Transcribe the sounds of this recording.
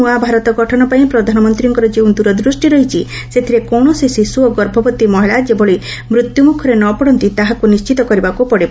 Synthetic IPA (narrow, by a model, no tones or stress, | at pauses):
uabʱaɾɔt̪ɔɡɔʈʰɔnɔpaĩpɾɔd̪ʱanɔmɔnt̪ɾiɔŋkɔɾɔd͡ʒeũd̪uɾɔd̪ɾusʈiɾɔɦit͡ʃʰi | set̪ʰiɾekɔwɳ̃ɔsesisuoɡɔɾbʱɔbɔt̪imɔɦiɭad͡ʒeboɭi | mɾut̪jumukʰɔɾenɔpɔɽɔnt̪it̪aɦakunist͡ʃit̪ɔkɔɾibakupɔɽib